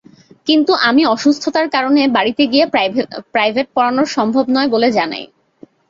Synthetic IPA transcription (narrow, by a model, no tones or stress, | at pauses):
kint̪uʔamiɔʃust̪ʰot̪aɾkaɾonebaɽit̪eɡiepɾajbʱeʈ̚pɔɾanoɾʃɔmbʱobnɔeboled͡ʑana̰j